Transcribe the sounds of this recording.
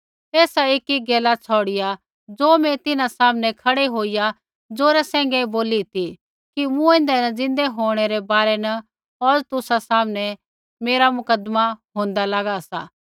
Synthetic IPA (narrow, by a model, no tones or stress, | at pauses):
ɛːsaeːkiɡeːlat͡sʰɔːɽɪja | d͡zoːmɛ̃t̪ɪnãsaːmnɛ̃kʰɐɽeɦoːɪja | d͡zoːɾɛsɛ̃ːŋ̆ɡɛboːlit̪ʰi | kimũẽnd̪ɛnɐd͡zɪ̃nd̪eɦoːɽ̃ɛɾɛbaːɾɛnɐ | oːɾt̪ʊsasaːmənɛ | meːɾamʊkəd̪maɦõːnd̪alɐɡasa̰ː